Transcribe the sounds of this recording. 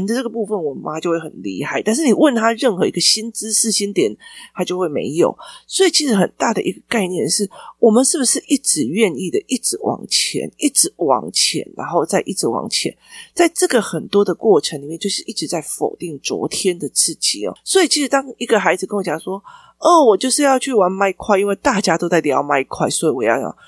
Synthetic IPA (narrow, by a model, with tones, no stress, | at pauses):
d̪ə˧˩ʈ͡ʂɤ˥˩ɡə˩pu˥˧fə˨nwɔ˨˩ma˦t͡ɕjo˥˧ʊwe˥˩hə˨˩nlḭ˧˥xa˥˩ɪt̪a˥˧nʂ̬̩˥˩ni˨˩wə˥˩nt̪ʰa˥ɻə˥˩nxɤ˧˦i˧ɡə˧ɕi˥nt͡sɹ̩˥ʂ̩˥˩ɕi˥nt̪jɛ˨˩˦nt̪ʰa˥t͡ɕjo˥˧ʊxwe˥˩ɪmḛ˧˥ɪjo̰˨˩ʊswɔ˧˥i˨˩t͡ɕʰi˧˥ʂ̩˧˥xə˨˩nt̪a˥˩d̪ə̰˨ʔi˧˥ɡə̥˨ka˥˧ɪnjɛ˥˧nʂɻ̩˥˩wɔ˨˩mə˨nʂɻ̩˥˩bu˩ʂɻ̩˥˧ʔi˥˩ʈ͡ʂɻ̩˨˩ɥɛ˥˧ni˥˩d̪ə˨ʔi˥˩ʈ͡ʂɻ̩˧˥wʔɑ̰˨˩ŋt͡ɕʰjɛ̰˧˥ni˥˩ʈ͡ʂɻ̩˧˥wɑ̰˨˩ŋt͡ɕʰjɛ̰˧˥nɻa̰˧˦nxo˥˧ʊt͡sa˥˧ɪʔi˥˩ʈ͡ʂɻ̩˧˥wɑ̰˨˩ŋt͡ɕʰjɛ̰˧˦nt͡sa˥˧ɪʈ͡ʂɤ˥˩ɡə˨xə˨˩nt̪wɔ˥d̪ə˨kwɔ˥˩ʈ͡ʂʰə˧˦ŋli˨˩mjɛ˥˧t͡ɕjo˥˧ʂɻ̩˥˧ʔi˥˩ʈ͡ʂ̩˧˦t͡sa˥˩ɪfo̰˨˩ʊt̪i˥˩ŋt͡swɔ̰˧˥t̪ʰjɛ˥nd̪ə˨t͡sɹ̩˥˩t͡ɕi˧˩ɔ̰˨˩swɔ˧˥i˨˩t͡ɕʰi˧˥ʂɻ̩˧˥t̪ɑ˥ŋi˧˥ɡə˨xa˧˥ɪd͡zɹ̩˨kə˥nwɔ˧˦t͡ɕjɑ˨˩ŋswɔ˥ | ɔ˥˩wɔ˨˩t͡ɕjo˥˧ʊʂɻ̩˥˧jɑ˥˧ʊt͡ɕʰy˥˩wa˧˥nma˥ɪkʰwa˥˧ɪi˦nwe˥˧ɪt̪a˥˩t͡ɕja˥t̪o˥ʊt͡sa˥˩ɪt̪jɑ˧˥ʊma˥ɪ˧kʰwa˥˩ɪswɔ˧˥i˨˩wɔ˨˩jɑ˥˩ʊt͡ɕjɑ̰˨˩ŋ